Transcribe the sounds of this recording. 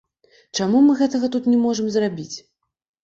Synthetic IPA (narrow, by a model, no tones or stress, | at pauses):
t͡ʂamumɨɣɛt̪ɐɣɐt̪ut̪nʲɛmɔʐɐmzrabʲit͡sʲ